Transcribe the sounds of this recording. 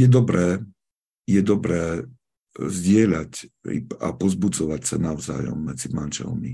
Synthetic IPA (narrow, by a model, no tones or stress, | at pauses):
jɛd̪ɔbɾɛː | jɛd̪ɔbɾɛː | zɟɪɛʎacḭa̰pɔzbud͡zɔʋacsanaʊza̰ːjɔ̰mːɛd͡zimanʒɛ̰lmi